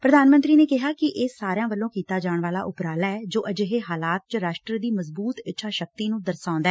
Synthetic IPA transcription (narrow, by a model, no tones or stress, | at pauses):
pɾəd̪aːnmənt̪ɾiːneːkɪɦaːkɪʔeːsaːɾjãːʋəlːõːkiːt̪aːd͡ʒaːɳʋaːlaːʔʊpɾaːlːɛːd͡ʒoːʔəd͡ʒəɦeːɦaːlaːt̪̚t͡ʃəɾaːʃʈɾəd̪iːməzbuːt̪ɪtːʃʰaːʃək̚t̪iːnũːd̪əɾsãːnd̪aɛː